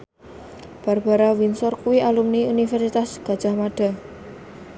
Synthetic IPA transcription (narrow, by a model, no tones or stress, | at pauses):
b̥arb̥a̤ɾawinsɔrkuwialumniunifɛrsit̪asɡ̥a̤̥d͡ʒ̥a̤hmaɖ̥a̤